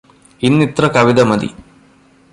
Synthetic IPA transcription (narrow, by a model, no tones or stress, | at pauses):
inːit̪ɾɐkɐʋid̪ɐmɐd̪ḭ